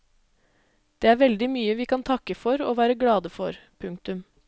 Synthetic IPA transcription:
d̪̥eːæːɾʋɛld̪ɪmyːəʋiːkɑnt̪ʰɑkːəfɔɾo̰ːʋæːɾəɡlɽɑːd̪əfɔɾpʰʉŋk̚t̪ʉm

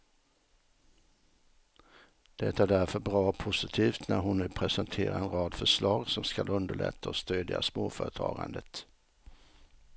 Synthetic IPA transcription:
d̪̥ɛt̪ːaæɖæɾfœɾbɾɑːɔpʰʊsɪt̪ʰiːft̪næɾɦʊnːʉ̟ːpʰɾɛsɛnt̪ʰeːɾaɾɛnɾɑːd̪fœʂlɑːɡsɔmskalɵnd̪əɭɛ̰t̪ʰːaɔst̪øːd̪ja̰smoːfœːɾət̪ʰɑ̰ːɡa̰nd̪ət̪

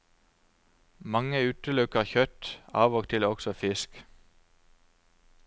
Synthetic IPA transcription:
mɑŋəʉːt̪əlʉkəʁçœt̪ɑ̰ːʋoːɡ̚t̪ʰɪlɔɡsɔfɪsk

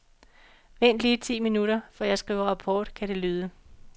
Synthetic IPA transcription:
ʋen̰d̥liːt͡sʰḭːminuɾɐfɒjɑ̈ɪsɡ̥ʁḭːʊɐʁɑ̈pʰɒːd̥kʰæɾe̝lyːðˠə

